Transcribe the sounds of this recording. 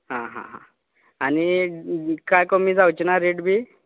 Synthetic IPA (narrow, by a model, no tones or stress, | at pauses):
ɦãɦã̰ɦã̰ | ani | kajkomiːd͡zawt͡ɕinaɾeɽbʱi